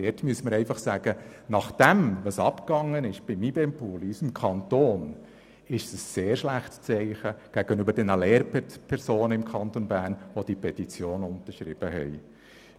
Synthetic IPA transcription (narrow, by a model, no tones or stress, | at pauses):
ɛtmyəsəməɾɛɪfɑχsæːɡ̥ənɑχd̥ɛmʋɑsɑpkɑŋːənɪʃb̥ɪmibɛmpʰuːlisɪmkʰɑntoːn | ɪʃsəsːeːɾʃlæχtt͡sɛɪχəɡ̥æɡ̥ənøbəɾdɛnəlɛːɾppʰɛɾsoːnəɪmkʰɑnt̪onbæːɾnʋod̥ipʰɛtit͡sjoːnʊnt̪əɾʃɾɪb̥əɦɛ̰ɪ